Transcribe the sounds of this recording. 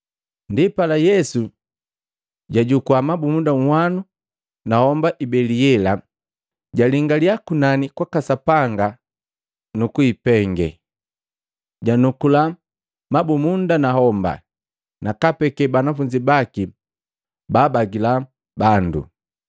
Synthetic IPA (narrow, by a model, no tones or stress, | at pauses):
ndipalajɛsu | ɟaɟukuamabumundaŋ̩hwanu | nahɔmbaʔibɛliɛla | ɟaliŋɡaliakunanikwakasapaŋɡa | nukuipɛŋɡɛ̰ | ɟanukula | mabumundanahɔmba̰ | nakapɛkɛbanafuɲd͡ʒibaki | baːbaɡila | bandṵ